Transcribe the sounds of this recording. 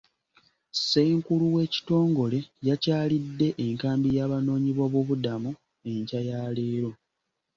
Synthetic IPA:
se̞ːŋkuluwe̞ːci̥to̞ːŋɡo̞le̞jacaːlidːe̞ʔeŋkaːmbijaːβano̞ːɲiβo̞βwo̞βudamu | e̞ɲcajaːleːɾo̞

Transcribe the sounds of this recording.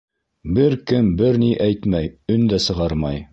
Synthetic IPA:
bɘɾkɘmbɘɾniʔæjt̪mæjɵnd̪æsɤ̆ʁɑɾmɑj

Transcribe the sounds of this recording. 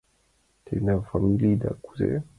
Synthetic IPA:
tʰɛnafamilidaku̥zɛ̰

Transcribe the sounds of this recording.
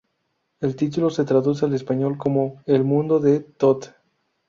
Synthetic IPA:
e̞lt̪it̪̬ulo̞set̪ɾaðus̬eale̞spaɲo̞lko̞mo̞elmũnd̪o̞ðe̞t̪ot̪

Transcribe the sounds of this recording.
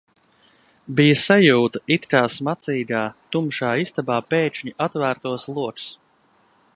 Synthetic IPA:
bijɐsajuːt̪ɐit̪kaːsmat̪siːɡaːt̪umʃaːist̪abaːpeːɲiʔat̪væːɾt̪uɔslˠuɔks

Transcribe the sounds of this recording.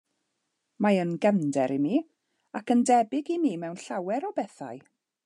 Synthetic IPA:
majənɡəndɛɾimiː | akəndɛbɪɡimiːmɛwnɬawɛɾɔbɛθa̰ɨ

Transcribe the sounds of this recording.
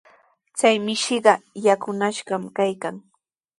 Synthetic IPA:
t͡sajmɪʃɪɢɑjakʊnaʃɢɑmkajkaŋ

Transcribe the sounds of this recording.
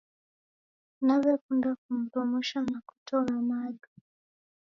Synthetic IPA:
naβɛkundak̚um̩ɾɔmuʃanaku̥tʰɔlanaɡa

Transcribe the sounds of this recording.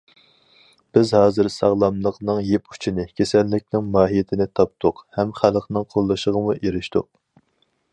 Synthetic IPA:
b̥ɪzhɑːzɨɾsɑʁlˠɑmlˠəqnɨŋjepu̥t͡ʃʰinɪkʲʰesɛlːɪk̚ʲnɪŋmɑːɦijet̪ʰɪnɪt̪ʰɑp̚t̪ʰʊqhɛmχælˠqnɨŋqʰolˠːɨʃəʁəmuʔeɾɪʃt̪ʊ̰q̚

